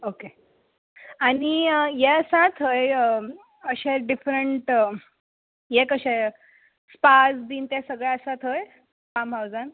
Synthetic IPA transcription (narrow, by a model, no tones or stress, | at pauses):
oke | aɽ̃ijɛsat̪ʰɦojə | əɕɛɖifɾəɳʈ | jekəɕɛ | spasd̪iːnt̪jasəɡɭɛəsat̪ʰɦoj | pamɦawd͡zan